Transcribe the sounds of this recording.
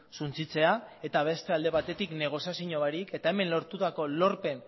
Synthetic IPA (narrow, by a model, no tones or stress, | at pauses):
sunt͡sit͡se̞ae̞t̪aβ̞e̞st̪e̞ald̪e̞β̞at̪e̞t̪ikne̞ɣ̞o̞siasiɲo̞βaɾike̞t̪ae̞me̞nlo̞ɾt̪ut̪ako̞lo̞ɾpe̞n